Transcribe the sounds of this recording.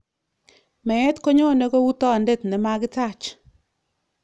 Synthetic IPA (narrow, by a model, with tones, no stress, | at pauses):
mɛ˨ɛ˦tko˦ɲo˦˨nɛ˦ɡɔ˦wu˦tɔ˦˨nde˦˨tnɛ˨ma˦kɪ˦ta˦˨t͡ʃ